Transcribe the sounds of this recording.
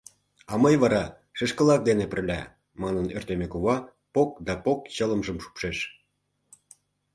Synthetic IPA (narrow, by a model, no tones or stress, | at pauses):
ɑməjβɑɾɑ | ʃeʃkə̆lɑk̚d̪enepə̆rlʲæ̰ | mɑnənørt̪emekuβɑ | pok̚d̪ɑpok̚t͡ɕələmʒəmʃu̥pʃeʃ